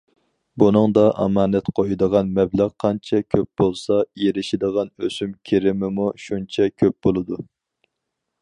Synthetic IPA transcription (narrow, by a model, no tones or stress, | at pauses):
bunɨŋd̪ɑʔɑ̰mɑːnɛt̪qʰojid̪əʁɑnmɛblæqqʰːɑnt͡ʃʰɛkʲʰøp̚bolˠsɑjeɾɪʃɪd̪əʁɑnøsymkʲʰeɾɪmɪmuʃunt͡ʃʰɛkʲʰøp̚bolˠɨd̪u